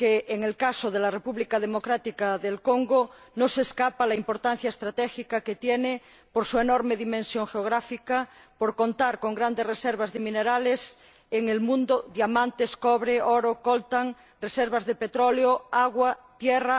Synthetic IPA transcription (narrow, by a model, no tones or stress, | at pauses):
keːŋelkasoðelarepuβlikað̞emokɾat̪ikaðelkoŋɡo | noseskapalaimpo̞ɾt̪an̟θjaest̪ɾat̪ɛxikaket̪jene | poɾsuenoɾmeðimẽnsjoŋxeoɣ̞ɾafika | poɾkont̪aɾkoŋɡɾand̪ereseɾβazðemĩneɾales | eŋelmũnd̪oðjamãnt̪eskoβɾeoɾokolt̪aŋ | reseɾβazðepet̪ɾoleoaɣwat̪jera